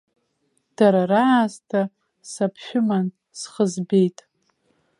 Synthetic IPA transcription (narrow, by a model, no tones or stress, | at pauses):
d̥aɾaraʕaztʰa | sapʰʃᶣʊman | sχəzbe̞jtʼ